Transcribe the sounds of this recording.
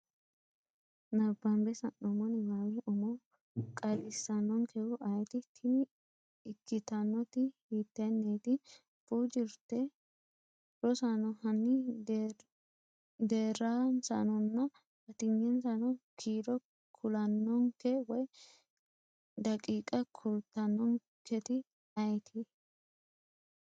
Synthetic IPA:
nɐbːɐmbɛsɐnːɔmɔnɪwawɪʔɔmɔ | kʼɐdɪsɐnːɔŋkʰɛʊʔɐjt̪ɪt̪ʰːɪnɪ | ɪkːɪt̪ɐnːɔt̪ɪhiːt̪ːɐnːeːt̪ɪ | fuːd͡ʒɪɾt̪ːɛ | ɾɔsanɔhɐnːɪ | d̪eːɾaːnsɐ̰nɔnːɐ | ɐt̪ɪɲːɛnsɐnɔkʰiːɾɔ | kʰʊlɐnːɔŋkɛwɔj | d̪ɐkʼiːkʼɐkʰʊlt̪ːɐnːɔŋ | kʰːɛt̪ɪ | ɐjt̪ʰɪ

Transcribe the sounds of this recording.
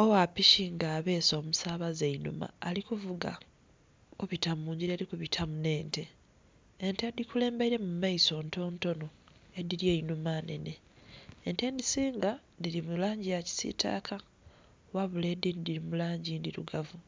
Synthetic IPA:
o̞wapiʃiŋɡaːβe̞ːso̞ːmusaːβazeinṵma̰ːlikuvuɡa̰ | kuβitamuːɲɟiɾiaɾikuβitʰamune̞ːnte̞ː | ntedikule̞ːmbaiɾe̞mumaiso̞ːnto̞ːnto̞no̞ | e̞diljeinumane̞̰neː | nte̞ndisiːŋɡandilimulaːɲɟijaci̥sḭtʰa̰ːkʰa | waβule̞dindiɾimulaːɲɟindiɾṵɡavu

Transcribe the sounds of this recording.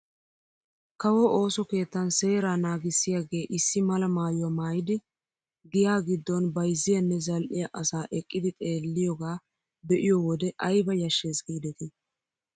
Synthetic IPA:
kɐwɔʔo̞ːsɔke̞ːt̪ːɐnse̞ːɾaːnaːɡɪsːɪjaɡe̞ːʔɪsːɪmɐlɐmaːjʊwɐmaːjɪd̪ɪ | ɡɪjaːɡɪd̪ːɔnbɐjzːɪjɐnːɛzɐlʔɪjɐʔɐsaːʔɛkʼːɪd̪ɪt̪ʼe̞ːlːɪjɔɡaː | bɛʔɪjɔwɔd̪ɛʔɐjbɐjɐʃːe̞ːsɡiːd̪ɛt̪ɪ

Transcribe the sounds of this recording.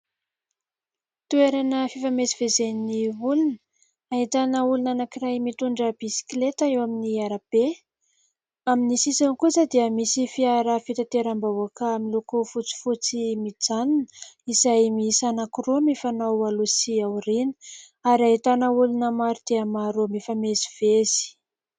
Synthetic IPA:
t̪ueɾanəfifamesivezeniniulun | ait̪anəulunanakirajmit̪uɳɖ͡ʐəbisi̥klet̪aewaminiaɾab̥e | aminisisankusəd̪iəmisifiaɾafit̪at̪eɾambauakaamilokofut͡si̥fut͡simid͡zaninizajmiisanakɾomifanaalusiawɾinə̥ | aɾiait̪anəulunəmaɾud̪eəmaɾomifamezi̥v̥ezi̥

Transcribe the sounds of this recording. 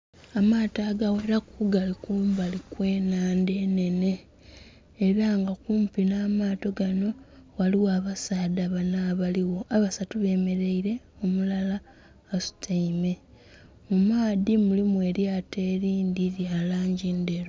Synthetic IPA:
amaːtaːɡawe̞ɾakuɡalikumbalikwe̞ːnaːnde̞ːne̞ne̞ː | ɾaŋɡakuːmpinaːmaːto̞ɡano̞waliwaːβasaːdaβanaβaliwo̞aβasatuβe̞ːme̞ɾeiɾe̞ | omulalaː | su̥tʰaime̞ | mumaːðimulimwe̞ːɾjaːte̞ːɾiːndiɾjaːlaːɲɟinde̞ɾo

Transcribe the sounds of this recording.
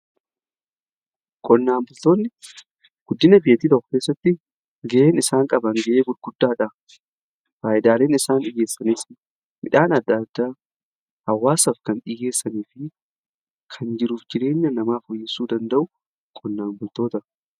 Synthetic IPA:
kʼɔnːaːmbʊlt̪oːɪ | ɡ̥ʊd̪ːɪnɐbɪjɐt̪iːd̪ɐxke̞ːsːɐt̪ːɪ | ɡɛʔe̞ːnɪsaːŋkʼɐbɐŋɡɐʔeːɡʊɾɡ̥ʊd̪ːaːᶑɐ | faːʔɪd̪aːle̞ːnɪsaːnᶑɪje̞ːsːɐniːsɪ | mɪᶑaːnɐd̪ːad̪ːaː | hɐwːaːsɐfkɐnᶑɪje̞ːsːɐniːfɪ | kʰɐnd͡ʒɪɾuːfd͡ʒɪɾe̞ːɲːɐnɐmaːfʊjːɪsːuːd̪ɐnd̪ɐʔʊ | kʼɔnːaːmbʊlt̪o̞ːt̪ɐ

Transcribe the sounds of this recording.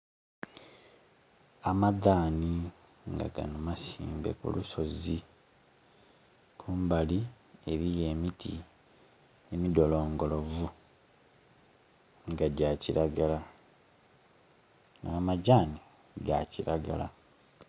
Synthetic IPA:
amadaːni | ŋɡa̰ɡa̰numasḭːmbe̞̰kṵluso̞zi | kʰuːmbali | e̞ɾije̞ːmitḭ | emido̞lo̞ːŋɡo̞lo̞vu | ŋɡaɟaːciɾaɡala | nʔaːmaɟaːni | ɡaciɾaɡala̰

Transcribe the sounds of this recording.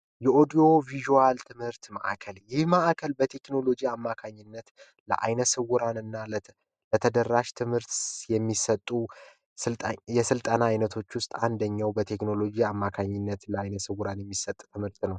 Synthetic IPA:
jɛʔo̞d̪io̞viʒuwalt̪ʰɨmhɨɾt̪ma̰ʔa̰kʰəljɪhmaʔakʰəlbət̪ʰe̞kno̞lo̞d͡ʒiamːakʰaɲːɪnːət̪ | lə̰ʔa̰jnəsɨwuɾanɨnːa | lət̪ʰəd̪əɾːaʃt̪ʰɨmhɨɾt̪jɛmːisət̪ʼːu | ɨjɛsɨlt̪ʼənaːjnət̪ʰo̞t͡ʃːwʊst̪ʼand̪əɲːawbət̪ʰe̞kno̞lo̞d͡ʒiamːakʰaɲːɪnːət̪ləajnəsɨwuɾanjɛmːisət̪ʼt̪ʰɨmhɨɾt̪nəw

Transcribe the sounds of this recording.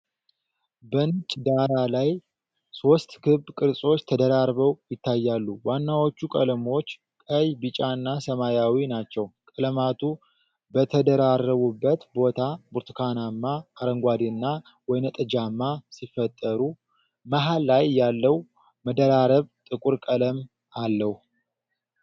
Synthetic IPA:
bənɨt͡ʃʼd̪aɾalaj | so̞st̪kʰɨbkʼɨɾsʼo̞t͡ʃːt̪ʰəd̪əɾaɾβəwjɪt̪ːajːalːuwanːawot͡ʃːukʼələmo̞t͡ʃː | kʼəjbɨt͡ʃʼanːasəmajawinat͡ʃːɛwkʼələmat̪ʰu | bət̪ʰəd̪əɾarːəβubːət̪bo̞t̪ʰabuɾt̪ʰɨkʰanamːaːɾəŋɡʷad̪inːa | wɔjnət̪ʼɨd͡ʒamːasifːət̪ʼːəɾu | maɦalːajjːalːəw | məd̪əɾaɾəβt̪ʼɨkʼuɾkʼələm | alːəhu

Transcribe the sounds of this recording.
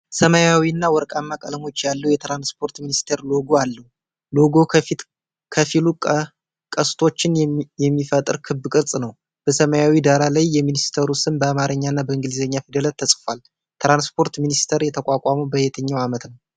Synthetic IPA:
səmajawinːawɔɾkʼamːakʼələmo̞t͡ʃːjalːəhwjɛt̪ɾanspʰo̞ɾt̪minist̪ʰeɾlo̞ɡoalːəhu | lo̞ɡo̞fit̪ | kʰəfilu | kʼəst̪ʰo̞t͡ʃːɪnjɛmːifət̪ʼɨɾkʰɨbːɨkʼɨɾt͡sʼnəw | b̥əsəmajawid̪aɾalajːɛminist̪ʰəɾusɨnbəamaɾəɲːaɨnːabəɨŋɡɨlizəɲːafid̪ələt̪ʰːəsʼfal | t̪ʰɾanspʰo̞ɾt̪minist̪ʰəɾjɛt̪ʰəkʷʼakʷʼaməwbəjɛt̪ʰəɲːawamət̪nəw

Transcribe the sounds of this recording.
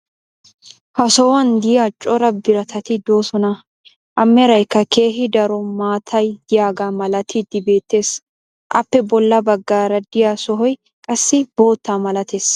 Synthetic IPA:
hɐsɔwɐnd̪ɪjat͡ʃʼɔɾɐbɪɾɐt̪ʰɐt̪ɪd̪o̞ːsɔnɐ | ʔɐmːɛɾɐjkːɐke̞ːɦɪd̪ɐɾɔmaːt̪ʰɐjd̪ɪjaːɡamɐlɐt̪ʰɪd̪ɪbe̞ːt̪ːe̞ːs | ʔɐ̰pːɛbɔlːɐbɐɡːaːɾɐd̪ɪjaːsɔɦɔj | kʼɐsːɪbo̞ːt̪ːaːmɐlɐt̪eːs

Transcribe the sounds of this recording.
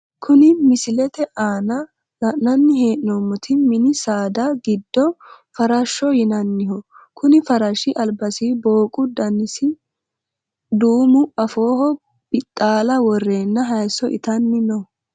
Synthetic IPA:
kʰʊnɪmɪsɪlɛt̪ɛʔaːnɐ | lɐʔnɐnːɪhe̞ːʔnɔmːʊt̪ʰɪmɪnɪsaːd̪ɐɡɪd̪ːɔ | fɐɾɐʃːɔjɪnɐnːɪhɔkʊnɪfɐɾɐʃɪʔɐlbɐsiːbo̞ːkʼʊd̪ɐnːɪsɪ | d̪uːmʊɐfo̞ːhɔ | b̥ɪt̪ʼːaːlɐwɔrːe̞ːnːɐɦɐjsɔʔɪ̰t̪ɐnːɪnɔ

